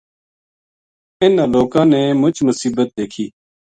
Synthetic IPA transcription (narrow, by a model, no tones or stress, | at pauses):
ɪnãːloːkãːnɛːmʊt͡ʃmʊsiːbət̪̚d̪eːkʰiː